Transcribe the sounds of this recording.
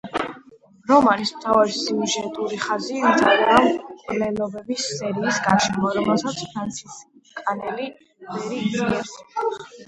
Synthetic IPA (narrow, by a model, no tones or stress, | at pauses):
ɾɔmaɾismt̪ʰavaɾisiuʒɛt̪ʼuɾiχazid̪zaɾɾavkʼlɛlɔbɛbisːɛɾiːsɡaʃɛmɔɾɔmɛlˠsat̪sʰpʰɾant̪sʰiskʼanɛli | vɛɾiiɛɾsi